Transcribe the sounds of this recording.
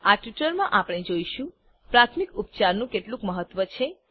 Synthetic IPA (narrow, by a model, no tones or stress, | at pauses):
aʈʋiʈəɾmãʔapəɽ̃ed͡ʒoiʃũ | pɾat̪ʰmikup̚t͡ʃaɾnũkeʈlũkməɦət̪ʋət͡ʃʰe